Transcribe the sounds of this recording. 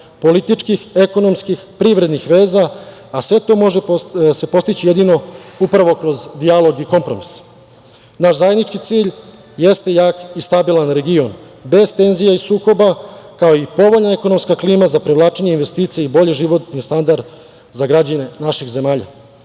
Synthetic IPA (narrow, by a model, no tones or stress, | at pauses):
po̞lit̪it͡ʂkixe̞ko̞no̞mskixpɾiʋɾe̞d̪nixʋe̞ːzaː | sʋe̞t̪o̞ːmo̞ʒese̞po̞st̪it͡ɕije̞d̪ino̞upɾaʋo̞kɾo̞zd̪ialˠo̞ɡiko̞mpɾo̞mis | naʃzajed̪nit͡ʃkit̪siːʎ | jest̪e̞jaːkist̪abilˠanɾe̞ɡio̞n | be̞zt̪e̞nzijaisuːko̞bakaoipo̞ʋo̞ʎnae̞ko̞no̞mskakliːmazapɾeʋlˠaːt͡ʃeɲe̞inʋe̞st̪iːt̪sijeibo̞ʎiʒiʋo̞t̪nist̪and̪aɾd̪ | zaɡɾad͡ʑanenaʃixze̞maːʎa̰